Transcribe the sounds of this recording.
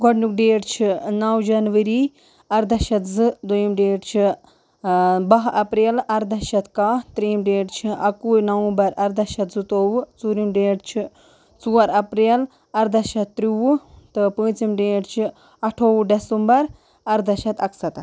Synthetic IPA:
ɡɔɖnuk̚ɖeːɖt͡ʃʰinɐwd͡ʒɐnʋɐɾi | ɐɾd̪ɐʃɐt̪zɨd̪ujimɖeːɖt͡ʃʰi | bɐɦɐpɾeːlɐɾd̪ɐʃɐt̪kat̪ɾiːmɖeːɖt͡ʃʰiɐkunɐwũbɐɾɐɾd̪ɐʃɐt̪zɨt̪oːwɨt͡suːɾimɖeːɖt͡ʃʰi | t͡suːɐɾɐpɾeːl | ɐɾd̪ɐʃɐt̪ːɾiwut̪ɨpə̃ːt͡simɖeːɖt͡ʃʰi | ɐʈʰoːwɖɐsɨmbɐɾ | ɐɾd̪ɐʃɐt̪ɐksɐt̪ɐ

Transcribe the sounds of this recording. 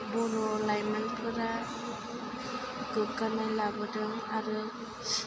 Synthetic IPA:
bɔɾɔlajmanpʰɯɾa | ɡɯkanajlabɯdɯŋaɾɯ | s

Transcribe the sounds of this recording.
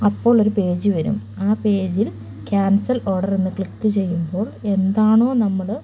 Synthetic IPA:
ɐpːo̞ːɭo̞ɾupe̞ːd͡ʑuʋɐɾṵm | aːpe̞ːd͡ʑil | kjaːnsɐlo̞ːrɽɐrenːɨkɭikːɨt͡ɕe̞jːumbo̞ːɭe̞nd̪aːɳo̞ːnɐmːɐɭ

